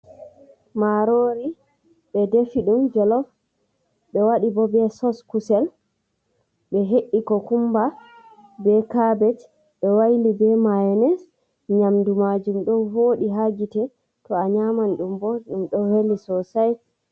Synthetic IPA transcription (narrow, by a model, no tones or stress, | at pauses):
maɾoɾi | ɓɛdefiɗumd͡ʒɛlɔf | ɓɛwaɗibɔbɛsɔskusɛl | ɓɛɦeʔːikɔkumba | bɛkabɛt | ɓɛwajlibɛmaɛnɛs | ɲamdumad͡ʒumɗɔnhoːɗiɦaɡitɛ | tɔaɲamanɗumbɔɗumɗɔhelːisɔsaj